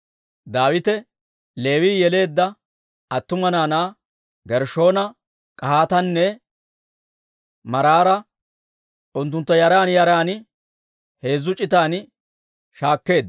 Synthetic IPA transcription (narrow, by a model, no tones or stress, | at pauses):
d̪aːwɪt̪ɛ | le̞ːwiːjɛle̞ːd̪ːɐ | ɐt̪ːʊmɐnaːnaː | ɡɛɾʃo̞ːnɐ | kʼɐhaːt̪ɐnːɛ | mɐɾaːɾɐ | ʔʊnt̪̬ːʊnt̪ːɐjɐɾaːnjɐɾaːn | he̞ːzːʊt͡ʃʼɪt̪aːn | ʃaːkːe̞ːd̪